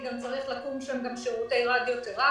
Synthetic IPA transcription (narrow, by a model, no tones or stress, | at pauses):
ɡamt͡saʁiχlakumʃamɡamʃiʁut̪elad̪jot̪eʁa